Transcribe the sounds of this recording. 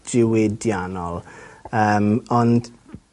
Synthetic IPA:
d͡ʒɪwɪdjanɔlˠəːmɔnd̥

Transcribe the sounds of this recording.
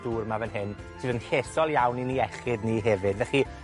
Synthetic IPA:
d̥uːrmavənɦɪn | sɨːðənɬesɔlˠjawniniɛχɪdniːɦɛvɨdvɛχi

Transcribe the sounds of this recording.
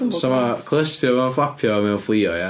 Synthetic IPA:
sɔmakʰlˠəstjɔmɛnflˠapʰjɔmɛwflˠiːɔ̰ja

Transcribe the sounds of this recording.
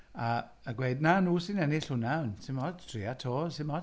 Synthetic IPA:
a | əɡweɨdnanuːsɪnɛnɪɬhʊnansɪmɔd̥tʰriːatʰoːsɪnmɔd

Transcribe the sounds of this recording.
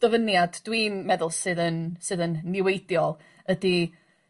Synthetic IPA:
d̥əvənjadd̥wimɛðʊlˠsɨðənsɨðənːɪwejdjɔlˠ | ədi

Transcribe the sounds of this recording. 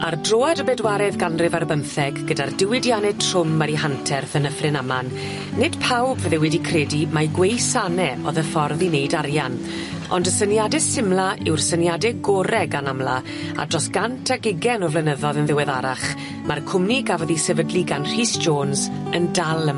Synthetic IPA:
ardroːɛdəbɛdwaɾɛðɡanrɪvarbəmθɛɡːədardɪwɪdjanɛtʰr̥ʊmːəɾiɦantʰɛrθənəfrɪnamanː | ɪd̥pʰawbvəðɛwɛdikʰrɛːdimaɡwejsanɛɔðəfɔrðinejdarjan | ɔ̰ndəsənjadɛsɪmlˠaɪwrsənjadɛɡɔɾɛɡanamlˠa | a̰drɔsɡ̥antʰaɡɪɡɛnɔvlɛnəðɔðənðɪwɛðaɾaχ | markʰʊmniɡavɔðisɛvədlˠiɡanr̥iːsʒ̥oːnz | əndalˠə

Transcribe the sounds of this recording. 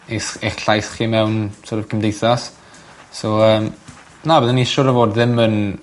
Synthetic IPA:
eseχɬajsχiːmɛwnsʰoɾəvkʰəmdejθas | soəːm | nabəðəniʃʊːɾəvoːdðɪmən

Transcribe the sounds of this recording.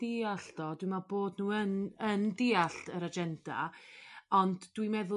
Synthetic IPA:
d̥iaɬd̥ɔdwimaboːdnuːənəndɪːaɬtʰəɾad͡ʒɛnd̥a̰ | ɔndd̥wimɛðʊ

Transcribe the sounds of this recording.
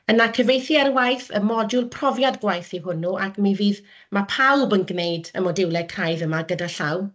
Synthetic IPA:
ənakʰəvejθiɛrwajθə̰mɔdʊlˠpʰrɔvjadɡwajθiɦʊnuʔakʰmiviːð | mapʰawbənɡnejdə̰mɔdɪwlˠɛkʰrajðəmaɡədaɬaw

